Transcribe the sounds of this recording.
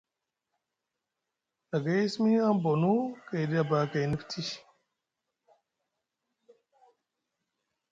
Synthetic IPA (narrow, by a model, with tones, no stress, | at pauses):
a˨ɡa˦i˦smi˦a˦m˦bo˨nu˦ka˨jdi˦a˨baː˨ka˨jni˦ftʰi˦